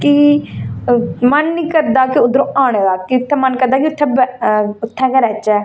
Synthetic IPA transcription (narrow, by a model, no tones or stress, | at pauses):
ki | mənːiːkəɾd̪aːkɪʊd̪ɾõːʔaːɽ̃eːd̪aːkiʊt̪ʰːɛːmənkəɾd̪aːkiʊt̪ʰːɛːbɛʊt̪ʰːɛ̃ːkɛɾɛːt͡ʃɛː